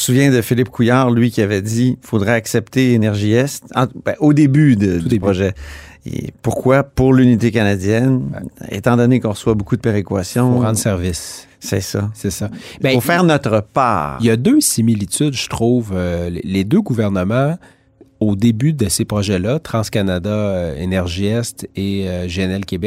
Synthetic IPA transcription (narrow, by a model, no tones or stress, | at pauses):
suvjɛ̃d̪əfilɪpkʰujaːʁlɥikʲiavɛd͡z̪ifod̪ʁɛaksɛpt̪elenɛʁʒiɛst̪ɑ̃bɛʔod̪ebyd̪əpʁɔʒɛḛpuʁkwapuʁlynit̪ekanad͡zjɛnḛt̪ɑ̃d̪ɔnekɔ̃ʁəswabokud̪əpeʁekwasjɔ̃ʁɑ̃d̪sɛʁvɪs | sɛsasesabɛfofɛːʁnɔt̪ʁəpa̰ːʁijad̪øsimilit̪yd̪ʒət̪χuːvølḛled̪øɡuvɛʁnəmɑ̃ | od̪ebyd̪əsepχɔʒɛlat̪χɑ̃skanad̪aøenɛʁʒiɛst̪eøʒeɛnɛlkʲebɛk